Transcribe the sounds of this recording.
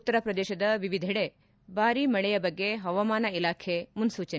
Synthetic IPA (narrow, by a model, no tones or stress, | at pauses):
ut̪ːɐɾɐpɾɐd̪ɛːʃɐd̪ɐʋiʋid̪ʱɛɽe | baːɾimɐɭɛjɐbɐɡːeɦɐʋɐmaːnɐilaːkʰemunsuːt͡ʃɐn